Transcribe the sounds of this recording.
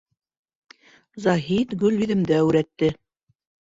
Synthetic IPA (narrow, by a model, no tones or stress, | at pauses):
zɑɦit̪ɡɵlβiðɘ̆md̪ææwɾæt̪ːɘ